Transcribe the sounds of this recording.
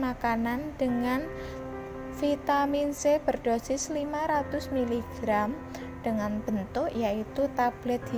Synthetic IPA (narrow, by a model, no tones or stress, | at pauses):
makanand̥əŋan | fit̪aminseb̥ərɖ̥osɪslimaɾat̪ʊsmiliɡ̥ɾam | ɖ̥əŋanb̥ənt̪ʊʔjait̪ut̪ab̥lɛt̪̚